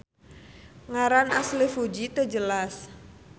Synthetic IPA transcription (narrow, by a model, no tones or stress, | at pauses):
ŋaɾanaslifud͡ʒit̪əd͡ʒəlas